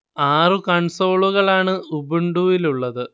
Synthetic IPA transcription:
aːrɨkɐɳso̞ːɭuɣɐɭaːɳɨubuɳɖuːjiluɭːɐðɨ

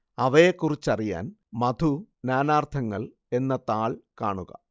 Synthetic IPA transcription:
ɐʋɐekːurit͡ɕːɐrija̰ːn | mɐd̪ʱunaːnaːrt̪ʰɐŋːɐɭ | e̞nːɐt̪aːɭkaːɳuɣɐ̰

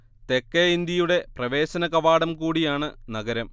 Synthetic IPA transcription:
t̪ekːeind̪jɐjuɽe̞prɐʋe̞ːɕɐnɐɣɐʋaːɽɐmkuːɽijaːɳɨnɐɡɐɾɐm

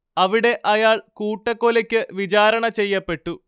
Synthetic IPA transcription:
ɐʋiɽe̞ʔɐjaːɭkuːʈːɐkːolɐkʲːɨʋit͡ɕaːɾɐɳɐt͡ɕe̞jːɐpːe̞ʈːu

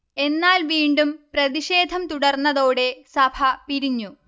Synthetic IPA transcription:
e̞nːaːlʋiːɳɖumprɐðiɕe̞ːd̪ʱɐmt̪uɽɐrnːɐðo̞ːɽe̞sɐbʱɐpiɾiɲːu

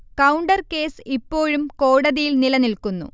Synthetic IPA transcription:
kɐwɳɖɐrke̞ːsipːo̞ːɻumko̞ːɽɐðijilnilɐnilkunːṵ

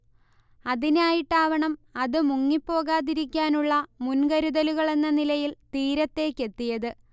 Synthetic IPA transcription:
ɐðinaːjiʈːaːʋɐɳɐmɐðɨmuŋːipːo̞ːɣaːðiɾikʲːaːnuɭːɐmunɡɐɾuðɐluɣɐɭe̞nːɐnilɐjilt̪iːɾɐt̪ːe̞ːkːe̞t̪ːijɐðɨ

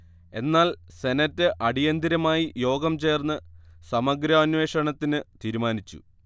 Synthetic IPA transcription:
e̞nːaːlse̞nɐtːɨʔɐɽijɐnd̪iɾɐmaːjijo̞ːɡɐmt͡ɕe̞ːrnːɨsɐmɐɡɾɐɐnʋe̞ːʂɐɳɐt̪ːinɨt̪iːɾumaːnit͡ɕːṵ

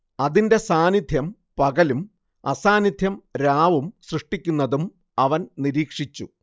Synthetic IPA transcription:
ɐðinde̞saːnid̪ʱjɐm | pɐɡɐlum | ɐsaːnid̪ʱjɐmɾaːʋumsrɨʂʈikʲːunːɐðum | ɐʋɐnniɾiːkʂit͡ɕːṵ

